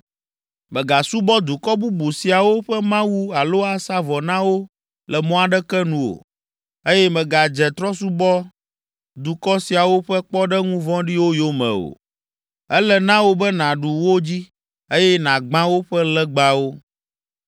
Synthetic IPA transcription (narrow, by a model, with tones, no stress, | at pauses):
mɛ̃˨ɡa˨su˦bɔ˦d̪u˨kɔ˦bu˦bu˨si˨a˨wo˦ɸɛ˦mã˦wu˦a˨lo˦a˨sa˦vɔ˨nã˦wo˦ | lɛ˨mɔ̃˦a˨ɖɛ˦kɛ˦nũ˨o̰˨ | e˦jɛ˦mɛ̃˨ɡa˨d͡ʒɛ˨t̪ɾɔ˦su˦bɔ˦ | d̪u˨kɔ˦si˨a˨wo˦ɸɛ˦k͡pɔ˦ɖɛ˦ŋũ˦vɔ̃˦ɖi˦wo˦jo˦mɛ̰̃˨o̰˨ | ɛ˦lɛ˨nã˦wo˦bɛ˦nã˨ɖu˨wo˦d͡ʑi˦ | e˦jɛ˦nã˨ɡ͡bã˦wo˦ɸɛ˦lɛ˦ɡ͡ba˨wo˦